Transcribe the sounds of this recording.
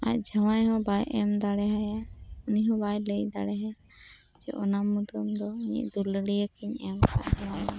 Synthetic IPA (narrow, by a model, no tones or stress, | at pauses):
a̰c̚ˀd͡ʒawajhɔ̃bajʔɛmd̪aɽɛɦajauniɦɔ̃bajləjd̪a̰ɽɛɦa | d͡ʒɛ̰ʔɔnamːud̪ɔmd̪ɔɲḭʔd̪ulɽijəkiɲɛmka̰ʔdɛwana